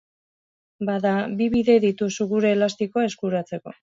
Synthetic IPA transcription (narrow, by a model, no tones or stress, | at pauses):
baðabiβiðe̞ðit̪usuɣuɾe̞last̪iko̞ae̞skuɾat͡se̞ko̞